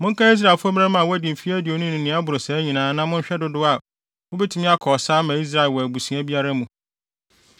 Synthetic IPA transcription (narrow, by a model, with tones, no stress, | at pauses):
mʊ̃˦ŋkʰã˦i˦s̬ɾa˨fʊ˦ɔ˦ba˦mã˦˨wɔ˦æ˦dɪ̃˨m̩˨fi˦æ˦di˨o˨nʊ̃˦nʊ̃˨nɪ̃˨˦a˦bʊ˨ɾʊ˨sɛ˨˦ɲĩ˨nãː˨˦nã˦mʊ̃˦ɲ̩˦ɕᶣɛ˦dʊ˦dʊ˦a˨ | wʊ˦bɛ˦tʰɪ˨mɪ̃˦a˦kʰɔː˨saː˦mã˨i˦s̬ɾa˨ɪ˨lwɔ˨æ˨bu˨si˨˦ã˦bi˦a˦ɾa˦mũ˨